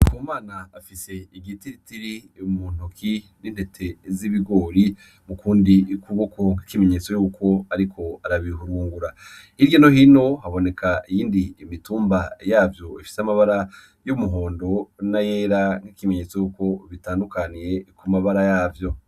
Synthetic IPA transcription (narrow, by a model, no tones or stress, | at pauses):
kʰuːmaːnaːfise̞iɡitiɾitiɾimuːn̥ukʰi | nin̥he̞tʰe̞ziβiɡo̞ːɾi | mukuːndikuβokʰoŋhikime̞ɲe̞t͡so̞juːkʰo̞aɾikʰo̞aɾaβiɦuɾuːŋɡuɾa | hiɾɟono̞hino̞haβo̞ne̞kʰaijiːndiːmituːmbajaːvjo̞ifi̥seamaβaɾa | jumuɦo̞ːndo̞najeːɾaŋ̥hikime̞ɲet͡so̞juːko̞βitaːndukanije̞kumaβaɾajaːvjo̞